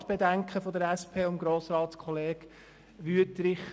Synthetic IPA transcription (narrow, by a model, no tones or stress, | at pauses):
tb̥ed̪æŋkχəfod̪əɾɛspʰeːʊmɡɾoːsɾɑːtskʰχɔleːɡ | ʋyətɾɪχ